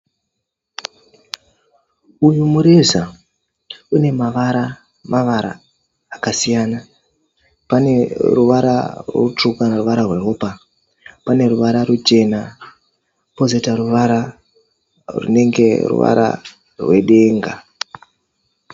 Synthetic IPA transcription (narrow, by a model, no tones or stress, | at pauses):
ujumuɾeza | une̞maʋaɾa | maʋaɾa̰ː | kasijaːna | pane̞ruʋaɾa̰rut͡ʂukanaruʋaɾarwe̞ɦoːpa | pane̞ruʋaɾarut͡ʃe̞na | pozetaruʋaɾa | rṵne̞ŋɡe̞̰rṵʋa̰ɾa̰ | rwe̞̰ɗe̞ːŋɡa